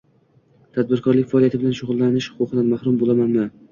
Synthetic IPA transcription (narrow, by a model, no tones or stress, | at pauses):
t̪ʰad̪̚bɪɾkʰɒɾlɪkʲfaɒlijat̪ʰɪbɪlanʃʊʁlˠːanɪʃhʊ̥qʰʊqʰɨd̪anmahɾʊmbolˠamanmɪ